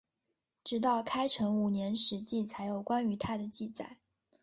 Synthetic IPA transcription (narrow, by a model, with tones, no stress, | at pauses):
ʈ͡ʂɻ̩˧˥t̪ɑ˥˩ʊkʰa˥ɪʈ͡ʂʰɤ˧˥ŋu˨˩njɛ˧˥nʂɻ̩˧˥t͡ɕi˥˩t͡sʰa˧˥ɪjo˨˩ʊkwa˥ny˧˥t̪ʰa˥d̪ə˨t͡ɕi˥˧t͡sa̰˥˩ɪ